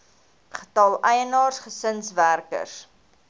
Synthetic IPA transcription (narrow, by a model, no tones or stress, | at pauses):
χətɐlˠɛjənɑːrsχəsənsværkə̰rs